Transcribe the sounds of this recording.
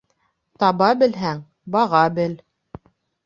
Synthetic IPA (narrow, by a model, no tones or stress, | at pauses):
t̪ɑβɑbɘ̆lɦæŋ | bɑʁɑbɘl